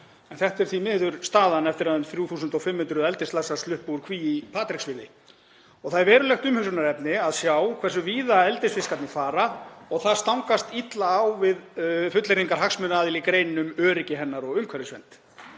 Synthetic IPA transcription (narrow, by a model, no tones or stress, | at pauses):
ɛnθɛht̪ɛɾ̥θvimɪːðʏɾ̥st̪aːðanɛft̪ɪɾaðʏmθɾjuːθuːsʏnt̪ɔfɪmhʏnt̪ɾʏðɛlt̪ɪstlasast̪ʏhpuʏɾ̥kʰviːipʰaːt̪ɾiksvɪːðɪ | ɔɣθaðɛɾvɛːɾʏlɛxt̪ʏmhʏksʏnaɾɛpnɪaðsjawkʰvɛr̥sʏviːðaɛlt̪ɪsfɪskat̪nɪfaːɾaɔɣθaðst̪awŋkast̪it̪laːwvɪðfʏt̪lɪɾiŋkaɾ̥ɦaksmʏnaːðɪlikɾeːjnnʏmœːɾɪcɪɦɛnːaɾɔɣʏmkʰvɛɾɪsvɛ̰nt̪